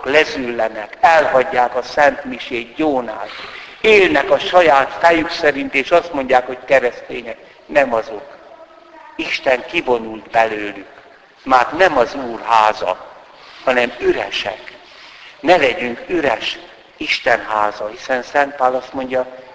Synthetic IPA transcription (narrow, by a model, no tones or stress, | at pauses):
klɛzylːɛnɛkɛlɦɒɟːaːkɒsɛnt̪miʃeːɟoːnaːl | eːlnɛkɒʃɒjaːt̪fɛjyksɛɾint̪eːʃɒst̪mo̞ɲɟaːkho̞ckɛɾɛst̪eːɲɛk̚ | nɛmɒzo̞k | iʃt̪ɛŋkivo̞nult̪bɛløːlyk | maːt̪nɛmɒzuːrɦaːzɒ̰ | hɒnɛmyɾɛ̰ʃɛ̰k | nɛlɛɟyŋkyɾɛʃ | iʃt̪ɛnɦaːzɒhisɛnsɛnt̪̚paːlɒst̪mo̞ɲɟɒ